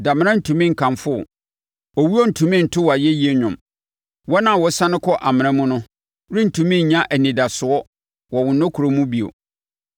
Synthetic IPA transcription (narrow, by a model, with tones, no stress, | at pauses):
da˨m̃˦nã˦n̩˨tʰũ˨mĩ˦ŋ̩˨kʰã˨mfʊ̰˦˨ | ɔ˨wu˦ɔ˦n̩˨tʰũ˨mĩ˦˨n̩˨tʰʊ˦wa˨jɛ˦ji˦e˦ɲᶣʊ̃˨m | wɔ˦nã˦˨wɔ˨sã˦nɪ̃˦kʰɔ˦ʔa˨mɪ̃˨nã˦mũ˦nʊ̃˦ | ɾĩ˦n̩˨tʰũ˨mĩ˦˨ɲã˦ʔæ˨nĩ˨da˨sʊ˨ɔ˦ | wɔ˨wʊ̃˨˦nɔ̃˦kʰu˨ɾo˦mũ˦bi˨o̰˨